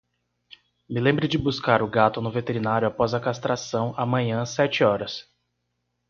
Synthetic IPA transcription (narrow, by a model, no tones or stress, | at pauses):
mɪlẽmbɾɪd͡ʒɪbuskaɾʊɡat̪ʊnʊvet̪eɾinaɾjʊapɔzɐkast̪ɾasɐ̃w̃amɐ̃ɲɐ̃sɛt͡ʃɪɔɾɐs